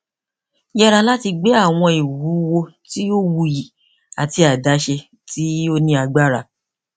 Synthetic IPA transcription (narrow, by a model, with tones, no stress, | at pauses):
jɛ˦ɾa˧la˦ti˧ɡ͡be˦a˦˨w̃ɔ̃˧i˨wu˨˦wo˧ti˦o˦wu˧ji˨ | a˨ti˧a˨da˨˦ʃe˧ | tʰi˦o˦nĩ˧a˧ɡ͡ba˦ɾa˧˨